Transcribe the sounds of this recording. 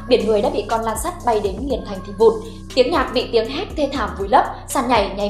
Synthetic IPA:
ɓi˧˩ənŋɨ˨˩əjɗa̰ː˧˥ɓḭ˧˨kɔ˧nlaː˧nsa˦˥t̚ɓa˧jɗe˨˦nŋi˨˩ənt̪ʰa˨˩jŋ̟t̪ʰi˧˩vṵ˧˩˨n | t̪i˨˦əŋɲaː˨˩t̚ɓḭ˧˨t̪i˨˦əŋɦɛ˦˥t̚t̪ʰe˧t̪ʰaː˧˩mvu˨˦jlə˦˥p̚saː˧nɲa˨˩jɲa˨˩

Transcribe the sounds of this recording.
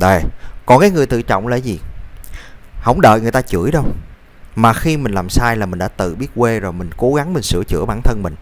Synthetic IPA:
ɗəː˨˩jkɔ˨˩nkaː˨˦jŋɨ˨˩əjt̪ɨ̰˧˨t͡ɕɔ̰˧˨wŋ͡mlə̰˧˥zi˨˩ | hə̰˧˥wŋ͡mɗə̰ː˧˨jŋ˨˩əjt̪aː˧t͡ɕɨ˧˩əjɗə˧w | maː˨˩xi˧mï̟˨˩laː˨˩msaː˧jlaː˨˩mï˨˩ŋ̟ɗa̰ː˧˦t̪ɨ̰˧˨ɓi˦˥ət̚kwe˧zo˨˩jmï˨˩ŋ̟ko˨˦ɣa˨˦ŋmï˨˩ŋ̟sɨ̰˧˥ət͡ɕɨ̰˧˥əɓaː˧˩nt̪ʰə˧nmï˨˩ŋ̟

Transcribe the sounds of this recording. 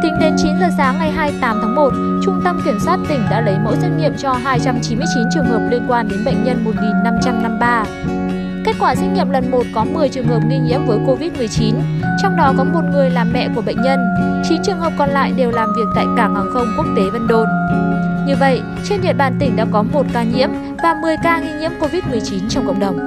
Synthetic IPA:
t̪ï˨˦ŋ̟ɗe˨˦nt͡ɕi˨˦nzəː˨˩saː˨˦ŋːa˨˩jɦaː˧jt̪aː˨˦mt̪ʰaː˨˦ŋmo˨˩t̚ | t͡ɕʊ˧ŋ͡mt̪ə˧mki˧˩əmswaː˦˥t̚t̪ï˧˩ŋ̟ɗa̰ː˧˥lə˨˦jmo̰˧˥jsa˦˥k̟̚ɲḭ˧˨əmt͡ɕɔ˧ɦaː˧jt͡ɕa˧mt͡ɕi˨˦mɨ˧ət͡ɕi˨˦nt͡ɕɨ˨˩əŋhəː˨˩p̚li˧ənkwaː˧nɗe˨˦nɓə̰˧˨jŋ̟ɲə˧nmo˨˩t̚ŋi˨˩nːa˧mt͡ɕa˧mna˧mɓaː˧ | ke˦˥k̚kwaː˧˩sa˧˥jk̚ɲḭ˧˨əmlə˨˩nmo˨˩t̚kɔ˨˦mɨ˨˩əjt͡ɕɨ˨˩əŋhə˨˩p̚ŋi˧ŋḭ˧˥əmvəː˨˦jko˧vi˦˥t̚mɨ˨˩əjt͡ɕi˨˦nt͡ɕɔ˧wŋ͡mɗɔ˨˦kɔ˨˦mo˨˩t̚ŋɨ˨˩əjlaː˨˩mːɛ̰˧˨ku˧˩əɓə̰˧˨jŋ̟ɲə˧nt͡ɕi˨˦nt͡ɕɨ˨˩əŋhəː˨˩p̚kɔ˨˩nla̰ː˧˨jɗe˨˩wlaː˨˩mvi˨˩ək̚t̪a̰ː˧˨jkaː˧˩mhaː˨˩ŋxə˧wŋ͡mku˦˥ək̚t̪e˨˦və˧nɗo˧˩nɲɨ˧və̰˧˨jʔ | t͡ɕe˧nɗḭ˧˨ənɓa̰ː˧˨nt̪ï˧˩ŋ̟ɗa̰ː˧˥kɔ˨˦mo˨˩t̚kaː˧ɲḭ˧˥əm | vaː˨˩mɨ˨˩əjkaː˧ɣi˧ɲḭ˧˥əmko˧vi˦˥t̚mɨ˨˩əjt͡ɕi˨˦nt͡ɕɔ˧wŋ͡mkə̰˧˨wŋ͡m̚ɗə˨˩wŋ͡m

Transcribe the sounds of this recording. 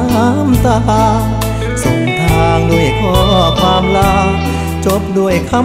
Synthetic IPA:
a˧˦mt̪a˧ʔaː˧ | so˨˧˩ŋt̪ʰaː˧ŋdu˧˩əjkʰɔː˧˩ɔː˧˩kʰwaː˧˥mlaː˧˥w | t͡ɕo˧˦˥p̚du˧˩əjkʰa˧˥

